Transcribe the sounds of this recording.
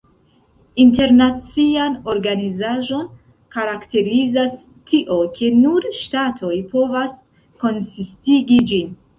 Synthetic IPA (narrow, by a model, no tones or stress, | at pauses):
inte̞ɾnat͡siano̞ɾɡanizaʒo̞n | kaɾakte̞ɾizas | tʰiʔo̞kʰe̞nuɾʃtatʰo̞jpo̞vas | ko̞nsistiɡid͡ʒin